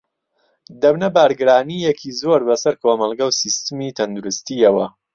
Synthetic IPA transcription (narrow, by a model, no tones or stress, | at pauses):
d̪ɐbnɐbaːɾɡɨɾaːnijɛkʰiːzoːɾbɐsɐɾkʰoːmɐlˠɡɐwsist̪ɨmiːt̪ʰɐnd̪uɾɨst̪iɐwɐ